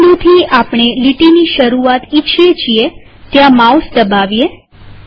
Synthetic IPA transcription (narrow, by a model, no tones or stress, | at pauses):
ɽũt̪ʰiapɳ̃eliʈiniʃəɾuat̪it͡ʃʰet͡ʃʰie | t̪jãmausd̪əbaʋie